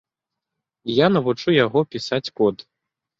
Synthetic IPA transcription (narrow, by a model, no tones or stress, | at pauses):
janɐvut͡ʂujaɣɔpʲisat͡sʲkɔt̪